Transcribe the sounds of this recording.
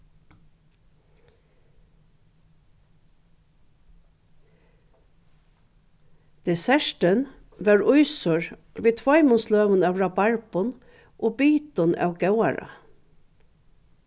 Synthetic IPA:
d̪̥ɛsæʃʈən | ʋæːɹʊʏsɔɹʋeːt̪ʰʋɔɪmʊsløːʋənɑʋɹɑbɑɹpɔn | ʔoːbiːt̪ɔnʔɑ̰ːɡɑʊɑɹɑ̰

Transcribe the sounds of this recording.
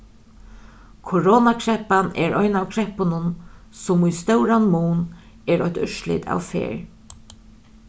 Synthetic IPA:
kʰoɾɔːnakʰɹɛhpanɛɹɔjnawkʰɾɛhpʊnʊn | sʊmujst̪ɛwɾanmuːn | ɛɾɔçt̪ʏʃlɪ̰t̪ʰa̰wfḛːɹ

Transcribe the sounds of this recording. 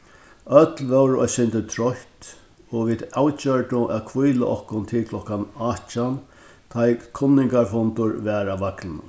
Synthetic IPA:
œt̪lʋɛwɾɔ̰sɪnt̪ət̪ʰɾɔht̪ | ɔʋiːd̪awt͡ʃœɹʈʊʔæðkʰʋujla̰ʔɔhkʊnt̪ʰɪlkʰlɔkanaːt͡ʃan | t̪ʰajkʰʊnːɪŋkaɾfɔnt̪ʊɹʋɛːɾaʋaklɪnʊ̰

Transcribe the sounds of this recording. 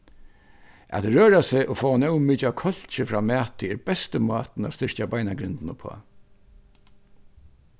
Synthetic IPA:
æ̰t̪ɹøːɾasɪʔʊfɔːanɛwmiːt͡ʃakʰɔl̥t͡ʃɪfɾaːmæːt̪ɪɛɾbɛst̪əmɑːt̪na̰st̪ɪɹ̥cabajnaɡɾɪnt̪nʊpʰɔ̰ː

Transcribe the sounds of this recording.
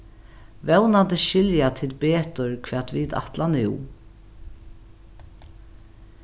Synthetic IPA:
vɛwnant̪əʃɪljat̪ʰɪlbeːt̪ʊɹkʰʋɛːt̪vid̪a̰ht̪lanɪ

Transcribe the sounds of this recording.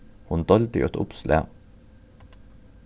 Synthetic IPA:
hʊnd̪ɔld̪ɪ̰ɔt̪ʊ̰pslʔḛː

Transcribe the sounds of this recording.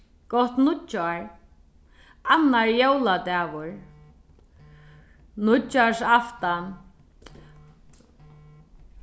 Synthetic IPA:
kɔht̪nʊaɹ | anːaɹjowlat̪ɛːʋʊɹ | nʊasaft̪a

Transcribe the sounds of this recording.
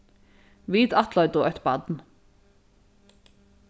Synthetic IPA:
ʋiːd̪ɑt̪ʰlɔʏd̪oʔœt̪bɑ̰d̪n̩

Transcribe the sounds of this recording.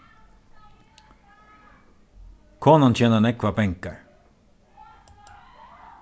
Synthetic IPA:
kʰoːnançɛːnənɛkʋabɛŋkəɹ

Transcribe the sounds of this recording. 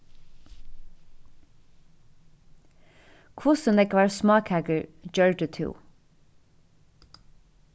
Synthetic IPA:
kʰʊsənɛkʋæːɹsmɑːkhæɡəɹd͡ʒœɹdʉt̪ʰʉ̰ː

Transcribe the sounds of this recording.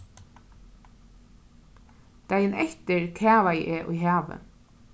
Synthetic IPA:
t̪ajɪnɛht̪ɪɾkʰæːvajʔɛʔṵjɦaːvɪ̰

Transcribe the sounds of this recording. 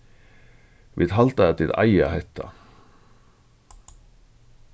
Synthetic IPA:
vɪðɦalt̪aɛt̪ɪða̰jahɛht̪ʰːa̰

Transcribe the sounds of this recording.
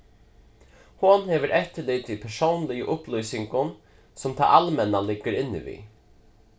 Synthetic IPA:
hʊnhɛːʋəɾʔɛht̪ːɪlɪːt̪ipʰɛʂownlɪjəʔʊhplɔjsɪŋkʊn | sɔmt̪ʰa̰ʔalmɛnalɪɡːəɾɪnːɪ̰ʋḭ

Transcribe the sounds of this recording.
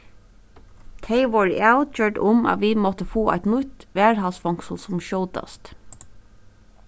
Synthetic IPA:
t̪ʰeɪʋɑɹaʊt̪jøːʈʊmɑ̰tʋiːmɔt̪əfoːʔæ̰ɪt̪nʊt̪ʋæːɹhɑlsfɔŋksl̩sɔmʃoʊd̪ɑ̰st̪

